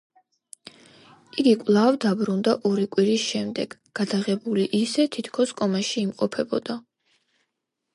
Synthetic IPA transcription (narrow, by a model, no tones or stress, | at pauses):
iɡikʼwlˠavd̪abɾund̪aʔɔɾikʼwiɾisʃɛmd̪ɛɡ̥ɡ̥ad̪aʁɛbuliʔisɛt̪ʰit̪ʰkʰɔskʼɔmaʃiːmqʼɔpʰɛbɔ̰d̪̥a